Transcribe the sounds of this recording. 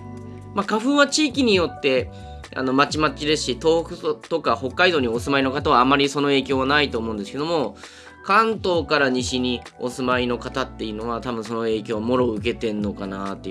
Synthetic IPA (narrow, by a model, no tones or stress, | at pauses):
makaɸɯ̟̃ɰ̃βat͡ɕiːkʲiɲ̟ijo̞t̪ːe̞ | a̰no̞mat͡ɕimat͡ɕid̪e̞sɨ̥ɕit̪o̞ːɸɯ̟t̪o̞kaho̞kːaid̪o̞ːɲ̟io̞sɨmaino̞kat̪aβaːmaɾʲiso̞no̞e̞ːkʲoːβanait̪o̞ːmo̞ɯ̟̃nd̪esɨ̥ked̪o̞mo̞ | kãnt̪o̞ːkaɾaɲ̟iɕiɲ̟io̞sɨmaino̞kat̪at̪ːe̞jɯ̟no̞β̞at̪abɯ̟̃ɰ̃so̞no̞e̞ːkʲo̞ːβamo̞ɾo̞ɯ̟k̬e̞t̪e̞nːo̞kanat̪ːe